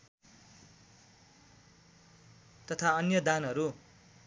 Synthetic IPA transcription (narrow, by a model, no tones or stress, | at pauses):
t̪ʌt̪ʰaʌnjʌd̪anɦʌɾu